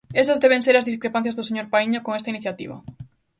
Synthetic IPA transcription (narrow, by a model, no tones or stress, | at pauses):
esazðeβẽŋseɾazðiskɾepan̟θjazðʊseɲoɾpaiɲokoŋest̪iniθjat̪ḭβɐ̰